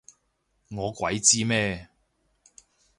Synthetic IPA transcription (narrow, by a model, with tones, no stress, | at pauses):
ŋɔː˨˧kʷɐ˨˥jt͡siː˥mɛː˥˧